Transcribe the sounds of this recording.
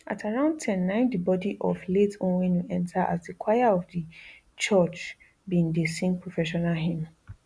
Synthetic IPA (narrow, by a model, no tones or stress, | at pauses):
ʔa̰tʰaɹãʊ̃nd̚tʰɛ̃nːãɪ̃ndibɔdiʔɔfletõnwenũʔɛ̃ntʰaʔa̰sdikʰwajaɔfdi | t͡ʃʰɔt͡ʃ | bĩndesĩŋpʰɹofɛʃɔnalɦĩm